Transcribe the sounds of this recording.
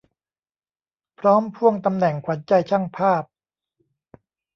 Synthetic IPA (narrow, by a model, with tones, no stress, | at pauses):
pʰɾɔː˦˥mpʰu˥˩əŋt̪a˧mnɛ˨˩ŋkʰwa˩˦nt͡ɕa˧jt͡ɕʰa˥˩ŋpʰaː˥˩p̚